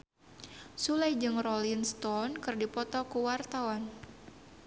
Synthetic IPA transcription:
sulajd͡ʒɨŋrɔlinst̪ɔnkɨrdipɔt̪ɔkuwart̪awɔn

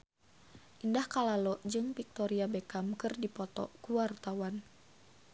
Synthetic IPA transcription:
ʔindahkalalɔʔd͡ʒɨŋpik̚t̪ɔɾiabekamkɨrdipɔt̪ɔ̰kuwart̪awan

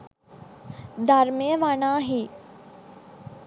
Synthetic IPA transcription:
d̪ɐɾmeəʋanaːɦiː

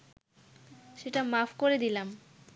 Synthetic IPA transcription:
ʃeʈamafʰkoɾed̪ilam

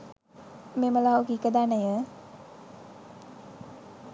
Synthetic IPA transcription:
meməlawɡikəd̪anajə

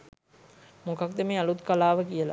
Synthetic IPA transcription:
mokɐk̚d̪emeɐlut̪kalaːʋəkijəla̰

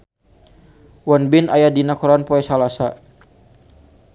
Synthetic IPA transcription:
wanbɪnajadinakɔɾanpɔɛsalasa

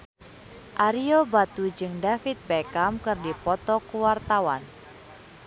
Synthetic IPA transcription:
ʔaɾiobat̪ud͡ʒɨŋdafit̪̚bekamkɨrdipɔt̪ɔkuwart̪awan

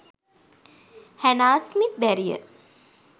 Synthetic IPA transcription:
hænaːsmit̪̚d̪æɾijə̰

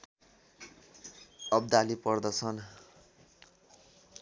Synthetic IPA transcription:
ʌb̚d̪alipʌrd̪ʌt͡sʰʌn

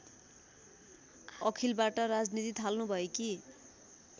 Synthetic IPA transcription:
ʌkʰilbaʈʌrad͡znit̪it̪ʰalnubʱʌeki

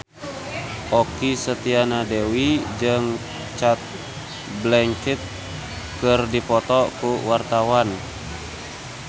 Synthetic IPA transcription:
ʔɔkisət̪ianadewid͡ʒɨŋ | t͡ʃat̪̚ | blɛŋkit̪̚ | kɨrdipɔt̪ɔkuwart̪awan

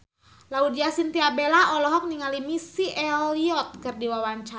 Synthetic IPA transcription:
laudiasint̪iabelaʔɔlɔɦɔk̚niŋalimisiʔɛliɔt̪̚kɨrdiwawaɲt͡ʃa

